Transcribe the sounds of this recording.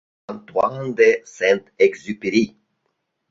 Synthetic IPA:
nt̪wand̪esɛ̃nt̪eɡzypeɾi

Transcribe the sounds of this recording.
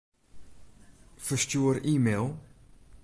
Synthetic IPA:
fəstjuəɾiːmeːlˠ

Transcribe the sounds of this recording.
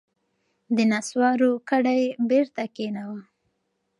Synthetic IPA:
d̪ənaswɑɾokaɽajbeɾt̪akenawa

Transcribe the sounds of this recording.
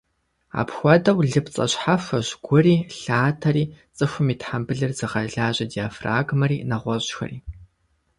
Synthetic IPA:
a̰ːpʰxʷɔdɐwɮɨpt͡sʼɐ̰ɕħafʷɐʑɡʷʊriːɬaːtʰɐɾiːt͡sʼɨxʷʊmiːtħambɨɮɨrz̥ɨʁɐɮaːɕʼɐdijafra̰ːɡmɐriːnɐʁʷɔɕxɐ̰riː

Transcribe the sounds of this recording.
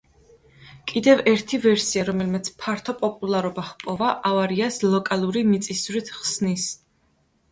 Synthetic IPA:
kʼid̪ɛvɛɾt̪ʰivɛɾsiaɾɔmɛlmat̪sʰpʰaɾt̪ʰɔpʼɔpʼulˠaɾɔbaχpʼɔvaʔavaɾiaslˠɔkʼalˠuɾimit̪sʼisvɾit̪ʰχsnis

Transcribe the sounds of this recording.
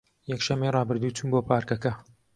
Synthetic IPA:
jɛkʃɐmːejrɑːbɨɾd̪uːt̪ʰunboːpʰaːɾkɐkɐ

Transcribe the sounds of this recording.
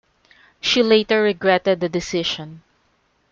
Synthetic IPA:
ʃileɪt̪ɛɹɹɛɡɹɛt̪ɛd̪̚ːɐd̪ɪsɪʃɔ̃n

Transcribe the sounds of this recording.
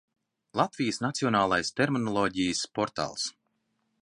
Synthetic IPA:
lˠat̪vijəsnat̪siɔnaːlˠajst̪eɾminɔlˠɔːɟijəspɔɾt̪a̰ːlˠs

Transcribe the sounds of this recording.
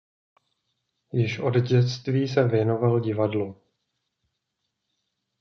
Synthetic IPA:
jɪʃʔo̞dɟɛt͡st̪viːsɛvjɛno̞valɟɪvadlu

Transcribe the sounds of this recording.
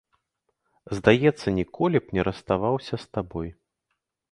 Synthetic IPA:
zd̪ajɛt̪sːɐnʲikʰɔlʲipnʲɛɾɐst̪avawsʲɐst̪abɔj

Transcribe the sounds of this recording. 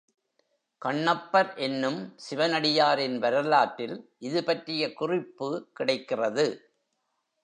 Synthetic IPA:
kɐɳːɐpːɐɾʔɛnːɯmsɪʋɐnɐɽɪjaːɾɪnʋɐɾɐlaːʈːɪlʔɪðɯpɐʈrɪjɐkʊrɪpːɯkɪɽɐɪkːɪrɐðɯ

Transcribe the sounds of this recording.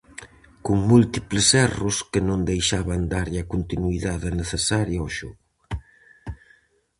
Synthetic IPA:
kʊŋmult̪iplɪsɛrʊskɪnõnd̪ejʃaβand̪aɾʎakont̪inuiðaðɪneθesaɾjaoʃoɣʊ

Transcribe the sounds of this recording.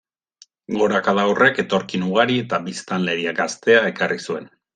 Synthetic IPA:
ɡo̞ɾakaðaoreke̞t̪o̞ɾkinuɣ̞aɾie̞t̪abist̪anle̞ɾiakɡast̪e̞ae̞karisue̞n

